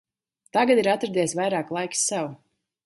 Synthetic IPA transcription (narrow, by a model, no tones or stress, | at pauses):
t̪aɡad̪iɾat̪ːɾd̪iɛsvajɾaːklˠajkʲsɛw